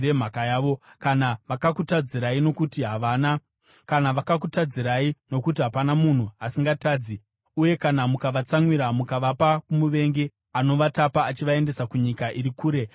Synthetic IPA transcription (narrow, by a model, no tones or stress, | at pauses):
e̞m̤akajaːʋo̞kanaʋakakutad͡ziɾaino̞kutiɦaʋaːna | kanaʋakak̬utad͡ziɾaino̞kutiɦapanamun̤uasiŋɡataːd͡zi | uje̞kanamukaʋat͡samwiɾamukaʋapakumuʋe̞ŋɡe | ano̞ʋatapaːt͡ʃiʋae̞nde̞sakuɲikaʔiɾikuːɾe̞